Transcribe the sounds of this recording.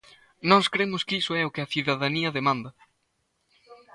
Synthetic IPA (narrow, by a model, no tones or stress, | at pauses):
nɔskɾemʊskisʊɛʊkɪɐθuðɐðaniɐðemãnd̪ɐ